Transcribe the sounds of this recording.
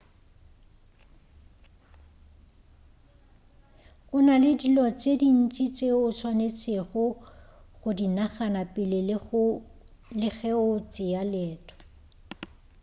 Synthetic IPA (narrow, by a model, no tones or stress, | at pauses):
kʼʊnalɪdilɔt͡sʼedin̩t͡ʃʼit͡sʼeʊsʰwanet͡sʼɪɣʊ | ɣʊdinaχanapʼɪlɪ | lɪɣɛʊt͡sʼɪjalɛːtʰʼɔ̥